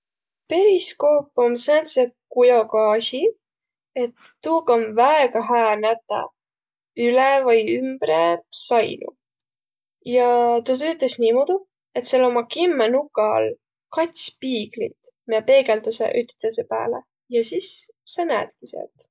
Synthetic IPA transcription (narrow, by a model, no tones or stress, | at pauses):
pe̞ɾisko̞ːpːˑomsæt̪set̪̚kujokɑːsʲi | e̞t̪ːuːkɑonvæeɡɑɦæːnæt̪ːˑɑ̰ | ylevɤjymb̥ɾesɑjnṵ | jɑt̪ut̪øːt̪ˑːesniːmod̪u | e̞t̪selːo̞mɑkimːenukːˑɑl | kɑt̪ʲsʲpiːɡ̥lḭt̪miepe̞ːɡelt̪usḛʔyt̪st̪esepæ̰ːle | jɑsisː | enæːt̪̚kisḛlt̪